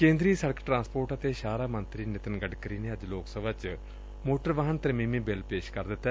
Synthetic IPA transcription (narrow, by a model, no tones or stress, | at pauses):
kẽːnd̪ɾiːsəɽkʰʈɾãːnspoːɾʈət̪eːʃaːɾaːmənt̪ɾiːnɪt̪ənɡəɖkəɾiːneːəd͡ʒloːksəbət͡ʃ | moːʈəɾʋəɦənt̪əɾmiːmiːbɪlpeːʃkəɾd̪ɪt̪ːɛ